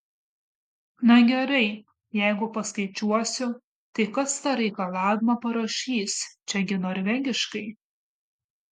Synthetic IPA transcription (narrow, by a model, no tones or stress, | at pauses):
nɐɡʲɛɾɐɪ | jɛɪɡʊpɐskɐɪt͡ʃʲuɔsʲʊ | t̪ɐɪkɐst̪ɑːɾʲɛɪkɐlˠɑːʋʲɪmɐpɐɾɐʃʲiːst͡ʃʲɛɡʲɪnoːɾʲʋʲɛŋʲɡʲɪʃkɐɪ